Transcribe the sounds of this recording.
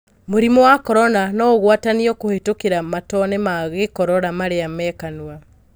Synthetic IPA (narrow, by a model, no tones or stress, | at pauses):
moɾimɔwakɔɾɔnanɔɣwataniɔkohetokeɾamatɔnemaɣekɔɾɔɾamaɾeamɛkanwa